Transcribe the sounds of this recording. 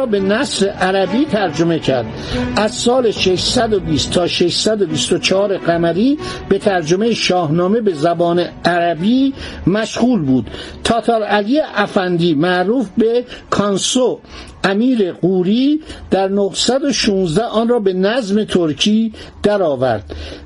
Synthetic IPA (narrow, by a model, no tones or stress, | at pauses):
be̞næsɾeʔæɾæbiːt̪ʰæɾd͡ʒo̞me̞cʰæɾd̪ | ʔæzsɒːleʃeʃsæd̪obiːst̪ʰːɒːʃeʃsæd̪obist̪ot͡ʃʰɑhɒːɾe̞ɣæmæɾiːb̥e̞t̪ʰæɾd͡ʒo̞me̞jeʃɒːhnɒːme̞be̞zæbɒːneæɾæbiːmæʃɣuːlbuːd̪̥t̪ʰɒːt̪ʰɑːɾælijeʔæfænd̪iːmæʔɾuːfbekʰɒnso | ʔæmiːɾeɣuːɾiːd̪̥æɾnohsæd̪oʃuːnzd̪æɒːnrɒːbe̞næzme̞t̪ʰoɾcʰiː | d̪̥æɾɒːvæ̰ɾd̪̥